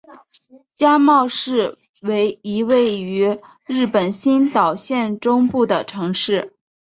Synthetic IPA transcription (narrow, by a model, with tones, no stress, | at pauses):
t͡ɕja˥mɑ˥˧ʊʂɻ̩˥˩ | we˧˥ɪi˧˥we˥˩ɪy˧˥ | ɻɻ̩˥˩pə˨˩nɕi˥nt̪ɑ˨˩ʊɕjɛ˥˩nʈ͡ʂʊ˥ŋpu˥˩d̪ə˩ʈ͡ʂʰɤ˧˥ŋʂɻ̩˥˩